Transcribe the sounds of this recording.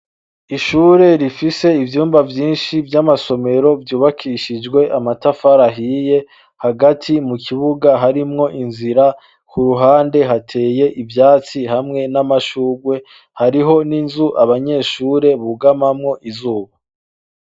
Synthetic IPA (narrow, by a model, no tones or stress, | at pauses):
iʃuːɾe̞ɾifise̞ivjuːmbavjiːnʃivjamaso̞me̞ɾo̞vjuːβakʰiʃid͡ʒɡwe̞ʔamatafaɾaɦiːje̞ | haɡatʰimukiβuɡaɦaɾimŋo̞ʔinziɾa | kuɾuɦaːnde̞ɦatʰe̞ːje̞ʔivjaːt͡sihamŋe̞namaʃuːɾwe̞ | haɾiɦo̞ninzuʔaβaɲe̞ːʃuːɾe̞βuɡamamŋo̞ʔizuːβa